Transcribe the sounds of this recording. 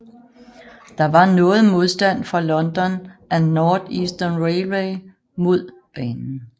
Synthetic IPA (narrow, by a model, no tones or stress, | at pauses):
d̥ɑ̈ʋɑ̈nɔ̽ːð̞̩ˠmo̝ð̞ˠsd̥æn̰fʁɑ̈lɒ̽nd̥ɒ̽nʔænɒːd̥isd̥ɐnʁeɪʁeɪ | mo̝ð̞̰ˠ | b̥ɛːnn̩